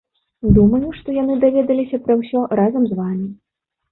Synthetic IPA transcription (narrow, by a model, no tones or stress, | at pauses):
d̪umɐjuʂt̪ɔjan̪ɨd̪avʲɛd̪ɐlʲisʲɐpɾɐwsʲɔrazɐmzvamʲi